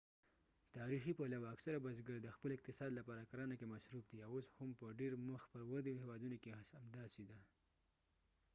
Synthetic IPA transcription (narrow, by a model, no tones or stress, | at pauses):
t̪ɑɾixipalawaːksaɾabazɡəɾd̪əxpəlɪq̚t̪ɪsɑd̪lapɑɾakaɾɑnakemaʃɾup̚d̪iawoshampəɖeɾməxpəɾwad̪ehewɑd̪unokeasamd̪ɑsid̪a